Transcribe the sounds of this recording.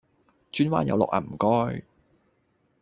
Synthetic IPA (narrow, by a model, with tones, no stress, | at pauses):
t͡ʃyː˥nwa̰ː˥njɐ˨˧wlɔ̰˨k̚ʔaː˨˩m̩˨˩kɔː˥j